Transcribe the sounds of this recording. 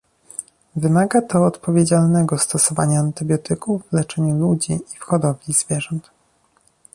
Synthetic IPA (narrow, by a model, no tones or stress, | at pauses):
vɘmaɡat̪ʰɔːt̪pɔvʲjed͡ʑalnɛɡɔst̪ɔsɔva̰ɲaːnt̪ɘbʲjɔt̪ɘkuvːlɛt͡ʂɛɲulud͡ʑiːfxɔd̪ɔvʲiz̥vʲjɛʐɔnt̪